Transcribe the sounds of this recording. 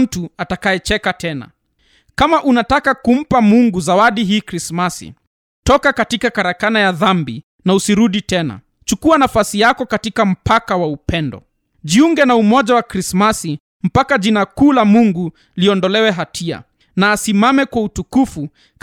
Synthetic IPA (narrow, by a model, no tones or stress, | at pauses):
m̩tuatakajɛt͡ʃɛkatɛna̰ | kamaʔunatakakum̩pamuŋɡuzawaɗiɦiːkɾismasḭ | tɔkakatikakaɾakanajaðambḭ | nausiɾuɗitɛna̰ | t͡ʃukuanafasijakɔkatikam̩pakawaupɛndɔ̰ | ʄiuŋɡɛnaumɔʄawakɾismasi | m̩pakaʄinakuːlamuŋɡu | liɔndɔlɛwɛɦatʰia̰ | naːsimamɛkwautukufu